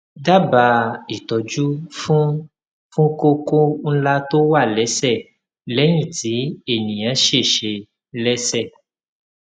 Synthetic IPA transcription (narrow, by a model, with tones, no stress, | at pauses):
da˦ba˧i˨tɔ˨d͡ʒu˦fũ˦ | fũ˦ko˧ko˦n̩˦la˦to˦wa˦˨lɛ˨˦sɛ˦˨ | lɛ˨˦j̃ĩ˦˨ti˨˦e˦˨nĩ˨j̃ã˨˦ʃe˦˨ʃe˧ | lɛ˦sɛ˦˨